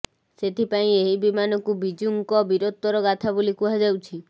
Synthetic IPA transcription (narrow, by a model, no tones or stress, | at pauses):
set̪ʰipaĩeɦibimanɔkubid͡ʒuŋkɔbiɾot̪ːɔɾɔɡat̪ʰabulikuɦad͡ʒawt͡ʃʰi